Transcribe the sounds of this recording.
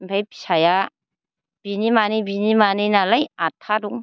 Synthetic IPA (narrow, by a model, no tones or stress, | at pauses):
mbʰajpi̥saja | b̥inimanibinimaninalajatʰaduŋ